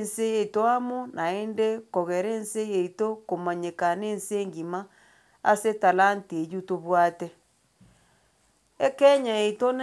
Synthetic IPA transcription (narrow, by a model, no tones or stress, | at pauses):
nseetoamonʔaendekoɣeɾeːnsejeitokomaɲekaneːnseŋɡima | a̰setalantiejutoβwatɛ | ekɛɲaeiton